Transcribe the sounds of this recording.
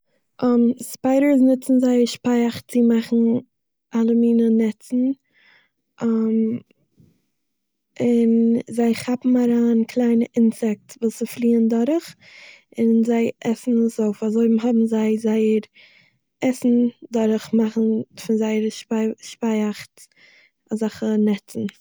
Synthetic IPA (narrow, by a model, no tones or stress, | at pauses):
ʔɔmspaɪɾə˞snɪt͡sn̩zaɪəɾʃpaɪaχt͡sɪmaχn̩ | ʔalˠəmiːnənɛt͡sn̩ | am | ɪnzaɪχapm̩aɾaːnkʰlˠaɪnəʔɪnsɛk̚tvuːsɪflˠiːəndɔɾəχ | ɪnzaɪʔɛsn̩əsoʊfazoɪmɦɔbm̩zaɪzaɪəɾ | ɛsn̩dɔɾəχmaχn̩fɪnzaɪəɾʃʃpaɪaχt | azaχənɛt͡sn̩